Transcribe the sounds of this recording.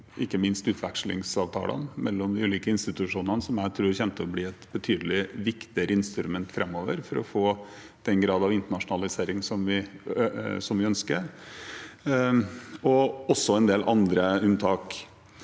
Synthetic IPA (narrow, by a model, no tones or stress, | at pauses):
ʔɪkːəmɪnst̪ʉːt̪ʰʋækʂlɪ̰ŋsɑːʋt̪ʰɑ̰ːlə̰nmɛlːɔmd̪ɪʉːliːkəɪnst̪ɪt̪ʉʂuːnənəsɔmjæɪt̪ʰɾuːɾçɛnt̪əɔbliːɛt̪bət̪ʰyːd̪əlɪʋɪkt̪ɪəɾəɪnst̪ɾʉmɛnt̪fɾɛmːoːʋəɾfɔɾɔ̰foː | d̪̥ɛnɡɾɑːd̪ɑʋɪnt̪əɳɑʂʊnɑlɪseːɾɪŋsɔmʋɪ | sɔmʋɪœnskəɾ | ɔɔsːɔɛnd̪eːlʔɑ̰nd̪ɾəʉnt̪ʰɑːk